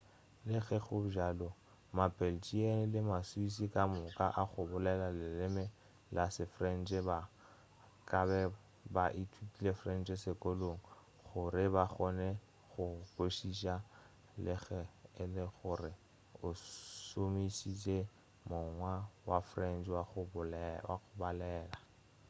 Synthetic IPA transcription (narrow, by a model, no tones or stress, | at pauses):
lɪɣɛɣʊʒalɔ | mapʼɛlt͡ʃʼien̩lɪmaswis̬ikʼamʊkʼaʔaɣʊbʊlɛlalɪlɪmɛ | lasɪfrɛn̩t͡ʃʼɛba | kʼabɛ | baʔitʰikʼilefrɛnt͡ʃʼɛsɪkʼoloŋ̩ | χʊrɪbaχɔnɛ | ɣʊkoʃiʃa | lɪɣɛɪlɪɣʊrɪ | ʊsomisisʼe | mʊŋwawafrɛnd͡ʒwaʊwaɣʊbalɛːla